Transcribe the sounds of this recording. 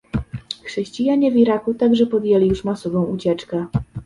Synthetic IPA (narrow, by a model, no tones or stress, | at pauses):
xʂɛɕt͡ɕijaɲɛvʲiɾakut̪aɡʐɛpɔd̪jɛlʲijuʂmasɔbɔ̃w̃ut͡ɕɛt͡ʂkɛ